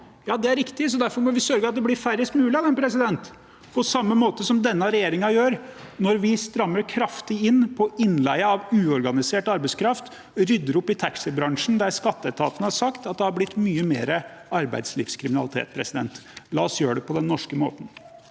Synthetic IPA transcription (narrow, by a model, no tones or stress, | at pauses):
jɑːd̪ɛæɾɪkt̪ɪsɔd̪æɾfɔɾmɔʋɪsœɾɡəɑt̪̚d̪ɛblɪɾfæɾəst̪mʉːlɪɑd̪ɛnpʰɾɛs̬ɪd̪ɛnt̪ | pʰɔsɑmːəmoːt̪əsɔmd̪ɛnːɑɾɛjeːɾɪŋɑjøːɾnɔɾʋɪst̪ɾɑmːəɾkʰɾɑft̪ɪɪnːpʰɔɪnlæɪəɑʋʉːɔɾɡɑnɪseːʈɑɾbæɪskʰɾɑft̪ | ɾʏd̪ːəɾɔpːɪt̪ʰæksɪbɾɑŋʂn̩d̪æɾskɑt̪ːəɛt̪ʰɑːt̪ənəhɑɾʂɑkt̪ɑt̪̚d̪ɛhɑɾblɪt̪ːmyːəmḛːɾəɑɾbæ̰ɪd̪slɪ̰fskʰɾɪmɪnɑlɪt̪ʰḛːt̪̚pʰɾɛsɪd̪ɛ̰nt̪lɑ̰ːɔsjøːəɖ̪ɛpʰɔd̪ɛnːɔʂkəmo̰ːt̪n̩